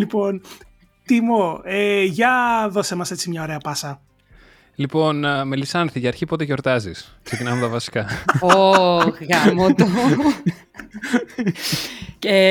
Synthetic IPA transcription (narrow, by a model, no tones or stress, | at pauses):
lipo̞n | t̪imoeʝɐðo̞semɐse̞t͡simɲɐo̞ɾe̞ɐpɐsɐ | lipo̞nmelisɐnθiʝɐːɾçipot̪eʝo̞ɾt̪ɐzisksecinɐmet̪ɐvɐsi̥kɐoɣɣɐmot̪o | e